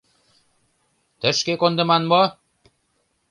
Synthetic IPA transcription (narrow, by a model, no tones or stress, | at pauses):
t̪ə̆ʃkekond̪ɤ̆mɑnmo